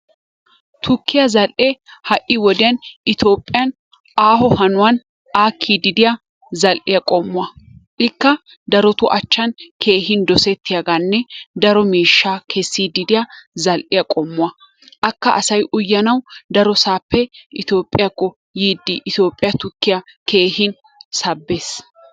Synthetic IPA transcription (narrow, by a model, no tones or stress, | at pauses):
t̪ʰʊkːɪjɐzɐlʔehɐʔʔːɪwɔd̪ɪjɐnʔɪt̪o̞ːpʼːɪjɐn | ʔaːɦɔhɐnʊwɐn | ʔaːkʰːiːd̪ɪd̪ɪjɐ | zɐlʔɪjɐkʼɔmːʊɐʔɪkːɐ | d̪ɐɾɔt̪ʊʔɐt͡ʃːɐnkʰeːɦɪnd̪ɔsɛt̪ʰːɪjaɡanːɛd̪ɐɾɔmiːʃːaːkʰɛsːiːd̪ɪd̪ɪjɐzɐlʔɪjɐkʼɔmːʊɐ | ʔɐkːɐʔɐsɐjʔʊjːɐnɐwd̪ɐɾɔsaːpːɛʔɪt̪o̞ːpʼːɪjɐkːɔ | jiːd̪ːɪʔɪt̪o̞ːpʼːɪjɐt̪ʊkːɪjɐkʰe̞ːɦɪn | sɐbːeːs